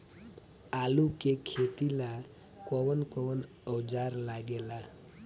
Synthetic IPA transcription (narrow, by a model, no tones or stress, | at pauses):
alukekʰet̪ila | kɔʋənkɔʋən | əd͡zaɾlaɡela